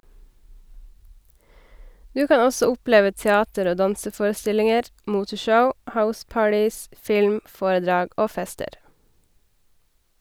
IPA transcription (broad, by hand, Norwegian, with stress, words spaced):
ˈdʉː ˈkɑː ˈɔsɔ ˈʊˌpleːʋə tɛˈɑːtəɾ ˈoː ˈdɑnsəˌfoːɾəˌstɪlɪŋəɾ ˈmuːtəˌʃəʊ ˈhaʊˌspɑːʈɪs ˈfɪlm ˈfoːɾəˌdɾɑːɡ ˈoː ˈfɛstəɾ